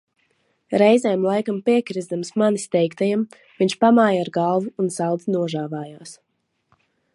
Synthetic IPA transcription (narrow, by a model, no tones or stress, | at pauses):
ɾɛjzɛːmlˠajkampiɛkɾizd̪amsmanist̪ɛjkt̪ajam | viɲʲʃpamaːjaɾɡalˠvuːnsawd̪zinuɔʒaːvaːjaːs